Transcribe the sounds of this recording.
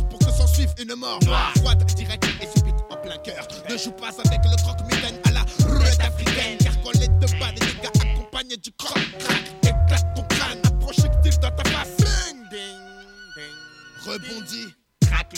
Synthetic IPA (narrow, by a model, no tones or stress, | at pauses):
puʁkəsɑ̃sivynmɔʁmfwat̪d̪iʁɛk̚t̪esebit̪ɔ̃plɛ̃kœʁ | nəʒupazavɛkləkɔkmet̪ɛ̃nalaʁut̪afʁikɛ̃nkaʁkɔ̃lɛd̪əbãd̪eliɡaakɔ̃paɲed̪ykɔkt̪ʁakeklat̪̚kɔ̃tãnapʁɔʃikt̪ivd̪ɔt̪afasɔ̃ | ʁəbɔ̃d̪i | ak